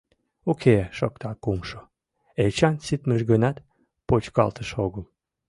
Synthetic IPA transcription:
okʰeʃok̚t̪ʰɑkumʃo | elt͡ɕɑnsit̪məʒɣənɑt̪ | pot͡ɕkɑ̰lt̪əʃoɣəm

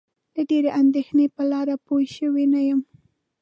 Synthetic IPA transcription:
laɖeɾeʔand̪exnepəlɑɾapojʃəwenajəm

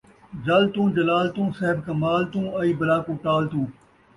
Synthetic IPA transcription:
d͡ʒɐlt̪ũːd͡ʒɐlaːlt̪ũːsɐɦɪbkɐmaːlt̪ũːɐiːbɐlaːkũːʈaːlt̪ũː

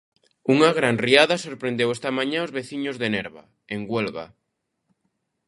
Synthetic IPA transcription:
uŋaɣɾanriaðasoɾpɾẽnd̪ewest̪amãɲaozβeθiɲozðeneɾβa̰ | eŋɡwelɣa̰

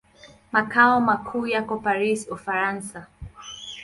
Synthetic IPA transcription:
makaɔmakʰuːjakɔpaɾisufaɾansa

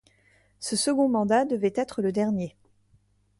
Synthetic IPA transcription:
səsəɡɔ̃mɑ̃d̪ad̪əvɛt̪ɛt̪χələd̪ɛʁnje

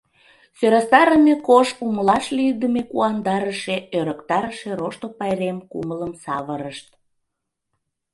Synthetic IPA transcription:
søɾɑst̪ɑɾəmekoʃuməlɑʃlid̪əmekuɑnd̪ɑɾəʃeøɾəkt̪ɑɾəʃeɾoʃt̪opɑjɾemkṵmələmsɑβəɾəʃt̪̚

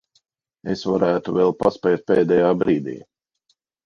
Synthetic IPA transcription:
esvaɾæːt̪uvɛlˠpaspɛjt̪̚peːd̪ɛjaːbɾiːd̪ḭː

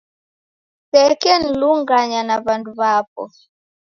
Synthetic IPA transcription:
pɛkɛn̩luŋɡaɲanaβanduβap̚ɔ̰

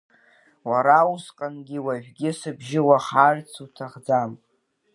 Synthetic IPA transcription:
waɾausqʼanɡʲɪwaʒʷᶣɡʲɪsɨbʒɪwaχart͡sʰutʰaχd͡zam

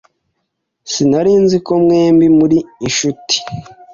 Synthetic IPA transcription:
sinaɾiːnziko̞mŋe̞ːmbimuɾiːʃuti̥

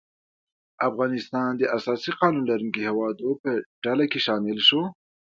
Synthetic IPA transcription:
afɣɑnɪst̪ɑnd̪əʔasɑsiqɑnunlaɾuŋkihewɑd̪opəɖalakeʃɑmɪlʃo

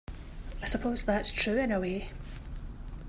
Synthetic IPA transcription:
aɪsəpʰoz̥ðatstʰɹ̥ʉːɪ̃nəweː

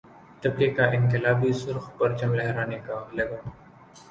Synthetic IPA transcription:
t̪ɐb̚kekaːʔɪnkɪlaːbisʊɾxpɐɾt͡ʃɐmlɛɦɾaːnekaːlɐɡa

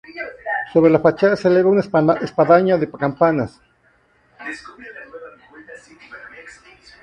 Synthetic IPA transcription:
soβɾelafat͡ʃaseleβaunaespaðaɲaðepakampanas

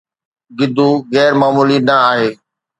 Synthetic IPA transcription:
ɡɪd̪ʱuːɣɛːɾmaːmuːlinəaːɦeː

